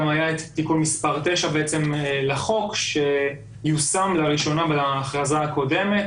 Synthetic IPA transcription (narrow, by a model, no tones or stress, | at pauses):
majaet̪t̪ikulmispaʁt̪eʃabeʔet͡se̞mleχo̞kʃe | jusamlaʁiʃo̞nabelaːχʁazaːko̞de̞met̪